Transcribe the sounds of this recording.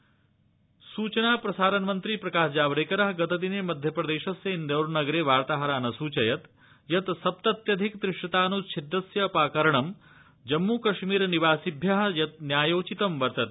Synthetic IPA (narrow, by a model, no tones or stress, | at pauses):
suːt͡ʃɐnaːpɾɐsaːɾɐnmɐnt̪ɾipɾɐkaːʃd͡ʒaːʋɐɾeːkɐɾɐɦɡɐt̪ɐt̪̬ineːmɐd̪ʱjɐpɾɐd̪eːʃɐsjeːnd̪ɐwɾnɐɡɐɾeːʋaːɾt̪aːɦɐɾaːnɐsuːt͡ʃɐjɐt̪ | jɐt̪sɐp̚t̪ɐt̪jɐd̪ʱikd̪ɾɪʂʈɐt̪aːnut͡ʃʰid̪ːɐsjɐpaːkɐɾɐɳɐm | d͡ʒɐmːuːkɐʃmiːɾniʋaːsibʱjɐɦɐ̆jɐt̪̚njaːjoːt͡ʃit̪ɐmʋɐɾt̪ɐt̪